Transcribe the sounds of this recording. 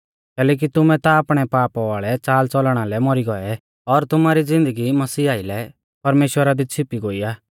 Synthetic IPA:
kɛːlɛːk̬it̪ʊmɛt̪aːpɽ̃ɛpaːpaʋaːɭɛt͡saːlt͡sɔlɽ̃alɛmɔɾiɡɔɛ | ɔɾt̪ʊmaːɾid͡zɪ̃nd̪əɡimɐsiːaːɪlɛ | pɐɾmeːʃwəɾad̪it͡sʰɪpiɡoːiaː

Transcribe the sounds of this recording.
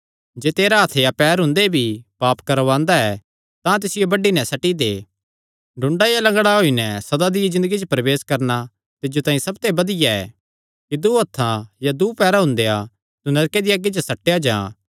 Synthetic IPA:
d͡ʒeːt̪eːɾaɐt̪ʰejapɛːɾɦʊ̃nd̪ebʱipaːpkɐɾʋãːnd̪aɛ | t̪ãt̪̬ɪsɪjobɐɖinɛsɐʈid̪eː | ɖʱʊ̃ɳɖajalɐ̃ŋɡɽaɦoinɛsɐd̪ad̪ɪjizɪ̃nd̪əɡid͡ʒopɾɐʋeːskɐɾna | t̪ɪd͡ʒot̪ãːĩsɐbt̪ebɐd̪ɪjaɛ̰ː | kid̪uɐt̪ʰːãjad̪uːpɛːɾaɦʊ̃nd̪ea | t̪unɐɾked̪iaɡːit͡ʃosɐʈːejad͡ʒãː

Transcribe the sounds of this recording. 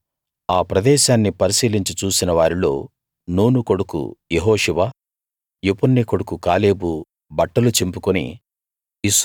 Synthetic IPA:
aːpɾɐd̪ɛːʃaːnːipɐɾisiːliɲt͡ʃit͡ʃuːsinɐʋaːɾilo̞ː | nuːnuko̞ɽukṵjeɦoːʂuʋaː | jopunːikoɽukukaːle̞ːbu | bɐʈːɐlut͡ʃempukunḭ | is

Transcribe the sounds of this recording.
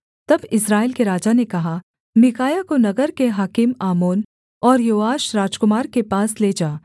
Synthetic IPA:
t̪ɐbɪsɾaːɪlkeɾaːd͡ʒanekɐɦa | mɪkaːjakonɐɡəɾkeɦaːkɪmaːmoːn | ɔːɾjoːaːʃɾaːd͡ʒkʊmaːɾkepaːsleːd͡ʒaː

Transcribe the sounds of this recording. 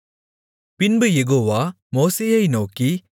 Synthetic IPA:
pɪnbɯjɛɣoːʋaː | moːseːjɐɪnoːki

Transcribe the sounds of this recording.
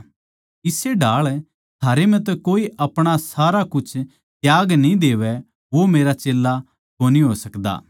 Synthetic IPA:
ɪseɖaːɭ | t̪ʰaːɾem̤ɛ̃t̪̬ɛkoːiʔɐpɽ̃asaːɾakʊt͡ʃʰ | t̪jaːɡnĩd̪eːʋɛ | ʋomeːɾat͡ʃeːlːa | koːniɦoːsɐkd̪a̰ː

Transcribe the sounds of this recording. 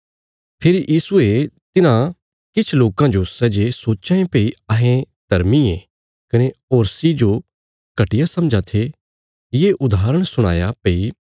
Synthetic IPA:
pʰeːɾijʔiːsuet̪ɪnã | kɪt͡ʃʰloːkãd͡ʒosɛːd͡ʒesoːt͡ʃãẽpeiɐɦẽ | d̪̥ɐɾmieː | kɐneoːɾsid͡ʒo | kɐʈɪjasɐ̃md͡ʒat̪ʰe | jeːʔʊd̪aːɾəɽ̃sʊɽ̃a̰ːjapei

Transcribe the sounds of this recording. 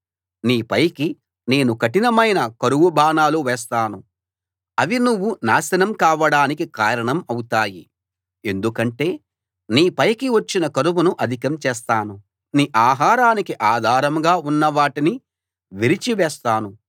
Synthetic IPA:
niːpɐjki | ne̞ːnukɐʈinɐmɐjnɐkɐɾuʋubʱaːnaːluʋɛːs̬t̪aːnu | ɐʋinuʋːunaːsɐnɐmkaːʋɐɽaːnikikaːɾɐɳɐmɐwut̪aːji | e̞nd̪ukɐɳʈe̞ː | niːpɐjkiʋɐt͡ʃːinɐkɐɾuʋunuʔɐd̪ʱikɐmt͡ʃɛːst̪aːnu | niːʔaːɦaːɾaːnikiʔaːd̪ʱaːɾɐmɡaːunːɐʋaːʈini | ʋiɾit͡ʃiʋɛːst̪aːnu

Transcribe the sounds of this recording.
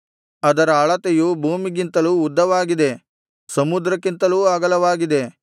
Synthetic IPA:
ɐd̪ɐɾɐaːɭɐt̪ejubʱuːmiɡint̪ɐluːd̪ʱːɐʋaːɡid̪e̞ | sɐmud̪ɾɐkːint̪ɐluːaɡɐlɐʋaːɡid̪e̞

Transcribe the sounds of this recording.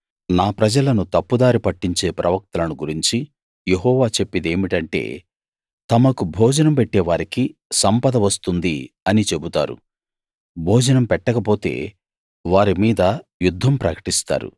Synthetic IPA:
naːpɾɐd͡ʒɐlɐnut̪ɐpːud̪aːɾipɐʈːiɲt͡ʃe̞ːpɾɐʋɐk̚t̪ɐlɐnuɡuɾiɲt͡ʃi | je̞ɦɔːʋaːt͡ʃe̞pːid̪e̞ːmiʈɐɳʈe̞̰ː | t̪ɐmɐkubʱɔːd͡ʒɐnɐmpeʈːɛːʋaːɾikisɐmpɐd̪ɐʋɐst̪und̪i | ɐnit͡ʃe̞but̪a̰ːɾṵ | bʱɔːd͡ʒɐnɐmpɛʈːɐkɐpo̞ːt̪e̞̰ː | ʋaːɾimiːd̪ɐjud̪ʱːɐmpɾɐkɐ̥ʈist̪a̰ːɾṵ

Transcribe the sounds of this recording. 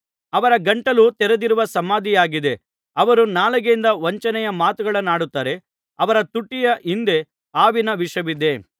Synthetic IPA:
ɐʋɐɾɐɡɐɳʈɐlut̪ɛɾed̪iɾuʋɐsɐmaːd̪ijaːɡid̪e̞ | ɐʋɐɾunaːlɐɡeind̪ɐʋɐɲt͡ʃɐnɛjɐmaːt̪uɡɐɭɐnːaːɽut̪ːaːɾe̞ | ɐʋɐɾɐt̪uʈːijɐʔind̪e̞ | aːʋinɐʋiʂɐʋid̪e̞

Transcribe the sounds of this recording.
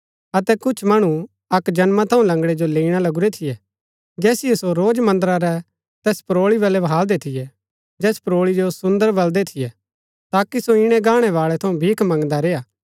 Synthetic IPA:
ɐt̪ɛkʊt͡ʃʰmɐɽ̃ũ | ɐkd͡ʒɐnmat̪ʰɐũlɐ̃ŋɡɽɛd͡ʒoleːiɽ̃alɐɡuɾɛt̪ʰɪjɛ | d͡ʒɛːsɪjɛsoɾoːd͡ʒmɐ̃nd̪əɾaɾɛ | t̪ɛːspɾoːɭiβɛlɛbʱaːld̪et̪ʰɪjɛ | d͡ʒɛːspɾoːɭid͡ʒosʊ̃nd̪əɾbɐld̪ɛt̪ʰɪjɛ | t̪aːkisoɪɽ̃ɛ̃ɡaːɽ̃ɛʋaːɭɛt̪ʰɐũbʱiːkʰmɐ̃ŋɡd̪aɾeːaː

